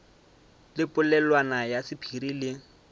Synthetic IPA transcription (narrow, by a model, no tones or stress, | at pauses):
lɪpʼʊlɛlwanajasɪpʰirilɪ